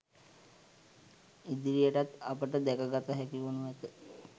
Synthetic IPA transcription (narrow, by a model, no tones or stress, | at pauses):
id̪iɾijəʈat̪apəʈəd̪ɛkəɡat̪aɦɛkionuʋɛt̪ə